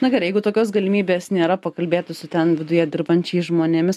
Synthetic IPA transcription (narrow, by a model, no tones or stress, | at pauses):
nɐɡʲɐɾjɛɪɡʊt̪oːkʲoːsɡɐlʲɪmʲiːbʲeːsnʲeːɾɐpɐkɐlʲbʲeːt̪ʊsʲʊt̪ʲɛnʋʲɪd̪ʊjɛd̪ʲɪrbɐnʲt͡ʃʲɛɪʒmoːnʲemʲɪs